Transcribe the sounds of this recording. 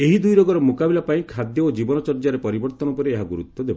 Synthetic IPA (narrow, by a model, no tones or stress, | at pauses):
eɦid̪ujɾɔɡɔɾɔmukabilapaĩkʰad̪jɔod͡ʒibɔnɔt͡ʃɔɾd͡ʒaɾepɔɾibɔɾt̪ɔnɔpɔɾeeɦaɡuɾut̪ːɔd̪ebɔ